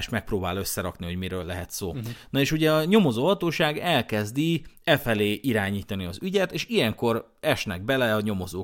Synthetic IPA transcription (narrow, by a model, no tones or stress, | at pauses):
ʃmɛk̚proːbaːlø̞sːɛɾɒkniɦo̞ɟmiɾøːlːɛɦɛt̪soːnɒeːʃuɟɛɒɲo̞mo̞zoːɦɒt̪oːʃaːɡɛlkɛzd̪iɛfɛleːʔiɾaːɲiːt̪ɒniɒzyɟɛt̪eːʃijɛŋko̞ɾ | ɛʃnɛ̰ɡ̚bɛlɛɒɲo̞mo̞zoː